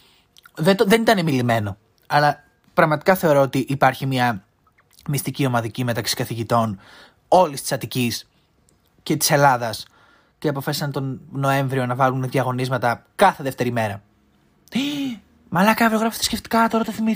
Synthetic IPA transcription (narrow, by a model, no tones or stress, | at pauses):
ðet̪ðenit̪ɐnemilime̞no̞ | ɐlɐ | pɾɐɣmɐt̪i̥kɐθe̞o̞ɾo̞ot̪iʔːpɐɾçimɐ | mist̪icio̞mɐðicime̞t̪ɐksi̥kɐθiʝit̪o̞n | o̞list̪i̥sɐt̪icis | ce̞t̪i̥se̞lɐðɐs | ceɐpo̞fɐsisɐnt̪o̞nnoe̞ɱvɾio̞nɐvɐlunðiɐɣo̞nizmɐt̪ɐkɐθe̞ðe̞ft̪e̞ɾime̞ɾɐ | mɐlɐkɐvɾoɣɾɐfot̪ɐ̥sce̞ft̪i̥kɐt̪o̞ɾɐt̪ɐθimi